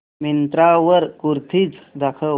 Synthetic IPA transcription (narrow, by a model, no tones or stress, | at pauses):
mint̪ɾaʋəɾkuɾt̪ʰiːt͡sd̪akʰə